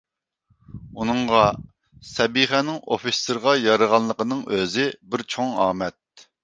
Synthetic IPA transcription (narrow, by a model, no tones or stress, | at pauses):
unɨŋʁɑ | sɛbiχɛnɪŋofisɪɾʁɑjɑɾəʁɑnlˠəqənɨŋøzɪbɪɾt͡ʃʰoŋɑːmɛt̪̚